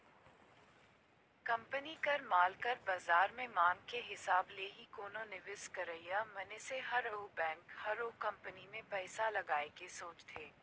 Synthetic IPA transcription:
kɐ̃mpənikɐɾmaːlkɐɾbaːzaːɾmẽmaːŋkeɦɪsaːbleːɦikoːnõnɪʋɪskɐɾəjjamɐneseɦɐɾɐubɛ̃ːŋkhɐɾoːkɐ̃mpənimẽpɛːsalɐɡaːekesoːt͡ʃt̪ʰeː

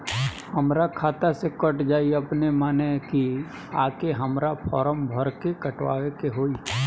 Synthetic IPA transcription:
həmɾakʰaːt̪asekəʈd͡ʒaːiəpnemaːneki | aːkeɦəmɾapʰɔ̰ːɾəmbʱəɾkekəʈʋa̰ːʋekeɦoːi

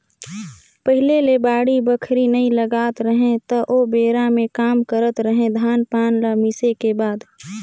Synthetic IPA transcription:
pəɦɪlelebaːɽibəkʰɾinəĩləɡaːt̪ɾəɦẽt̪əʔobeːɾamẽkaːmkəɾət̪ɾəɦẽd̪ʱaːnpaːnlamɪsekebaːd̪

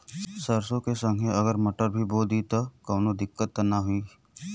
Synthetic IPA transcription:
səɾsõkesə̃ŋɡʱeɐɡəɾmɐʈəɾbʱiboːd̪it̪okɔːnod̪ɪkːət̪ːnaɦʊi

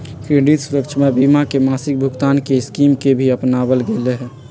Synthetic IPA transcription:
kɾeɖit̪suɾəkt͡ʃʰəmebimakemasɪk̚bʱuɡt̪ankeɪskimkebʱiəpnabəlɡeleɦɛ

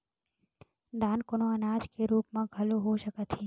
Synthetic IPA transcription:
d̪ʱaːnkonoənaːd͡ʒkeɾuːpmãɡʱəloɦoʃəkət̪ʰiː

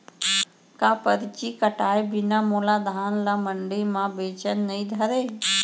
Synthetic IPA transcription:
kaːpəɾt͡ʃikəʈaːebɪnaːmoːlaːd̪ʱaːnlaːməɳɖiːmãːbeːt͡ʃənːəĩd̪ʱəɾeː

